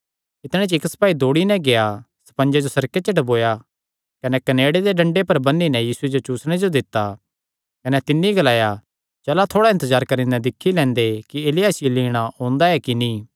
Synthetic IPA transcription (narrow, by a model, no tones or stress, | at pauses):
ɪt̪ɽ̃ẽt͡ʃɪksɐ̥paːid̪oːɽinɛ̃ɡea | sɐ̥pɐ̃nd͡ʒed͡ʒosɐɾket͡ʃɐʈboːja | kɐnɛkɐneːɽed̪eɖɐ̃ɳɖepɐɾbɐnːinɛjiːsued͡ʒot͡ʃuːsɽ̃ed͡ʒod̪ɪt̪ːa | kɐnɛt̪ɪnːiɡɐlaːja | d͡ʒɛːlat̪ʰoːɽaɪ̃nt̪əzaːɾkɐɾĩnɐ̃d̪ɪkʰːilɛ̃ːnd̪ekieːlɪjaːsɪjoliːɽ̃aɦõːnd̪aɛkinĩː